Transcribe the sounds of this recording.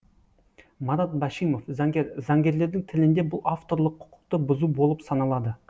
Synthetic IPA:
mɑɾɑt̪̚bɑʃijmo̞fzɑŋɡʲeɾzɑŋɡʲe̞ɾle̞ɾd̪ɪŋt̪ʰɪlɪnd̪e̞bʊlˠaft̪o̞ɾlˠəqʰːʊ̥qʰʊ̥q̚t̪əbʊzubo̞lˠəpsɑnɑlˠɑd̪ə

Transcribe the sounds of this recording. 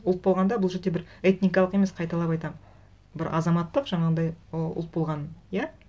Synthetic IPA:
ʊlˠt̪̚bo̞lˠʁɑnd̪ɑbʊlˠʒeɾd̪e̞bɪɾet̪nikɑlˠəqe̞me̞sqʰɑjt̪ɑlˠɑpɑjt̪ɑm | bɪɾɑ̰zɑmɑt̪ːəqʒɑɴɑd̪ɑjʊ̰lˠt̪̚bo̞lˠʁɑnja

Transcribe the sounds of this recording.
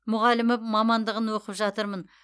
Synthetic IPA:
mʊʁɑlɪmɪmɑmɑnd̪əʁənwoqəpʒɑt̪əɾmən

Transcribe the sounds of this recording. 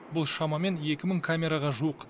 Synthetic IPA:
bʊlˠʃɑmɑme̞nje̞kʲɪməɴkʰamʲe̞ɾaʁɑʒuəq

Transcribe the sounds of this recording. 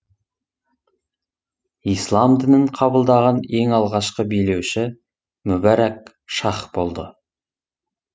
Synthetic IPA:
ijslˠɑmd̪ɪnɪɴqʰɑbəlˠd̪ɑʁɑne̞ŋɑlˠʁɑʃqəbijle̞wʃɪ | mʊbæɾæk̚ | ʃɑχbo̞lˠd̪ə

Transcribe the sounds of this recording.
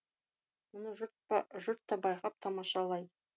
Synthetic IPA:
mʊnəʒʊt̪̚ʒʊɾt̪ːɑbɑjqɑp̚t̪ʰɑmɑʃɑlˠɑjd̪ə

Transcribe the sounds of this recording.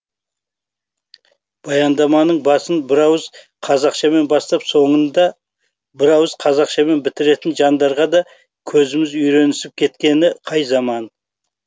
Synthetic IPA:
b̥ɑjɑnd̪ɑmɑnəɴbɑsənbɪɾɑwəz | qʰɑzɑqʃɑme̞nbɑst̪ɑpso̞ɴənd̪ɑ | bɪɾɑwəzqʰɑzɑqʃɑme̞nbɪt̪ɪɾe̞t̪ɪnʒɑnd̪ɑɾʁɑd̪ɑ | kʲʰɵzɪmɪzʏjɾe̞nɪsɪp̚kʲʰe̞t̪kʲe̞nɪqʰɑjzɑmɑn

